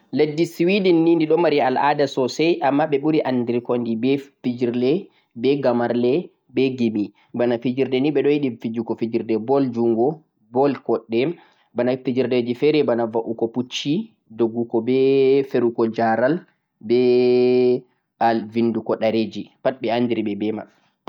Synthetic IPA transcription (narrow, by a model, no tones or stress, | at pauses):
ledːisiwidinːindiɗɔmaɾialʔa̰dasɔsɛjʔamːaɓɛɓuɾiʔandiɾkɔndibɛfid͡ʒiɾlɛ | bɛɡamaɾlɛ | bɛɡimi | banafid͡ʒiɾdɛniɓɛɗɔjiɗifid͡ʒukɔfid͡ʒiɾdɛbɔld͡ʒuŋɡɔ | bɔlkɔɗːɛ | banafid͡ʒiɾded͡ʒifɛɾɛbanavaʔukɔput͡ʃːi | doɡːukɔbɛfeɾukɔd͡ʒaɾal | bɛ | alvindukɔɗaɾed͡ʒipat̚ɓɛanːdiɾiɓɛbɛma̰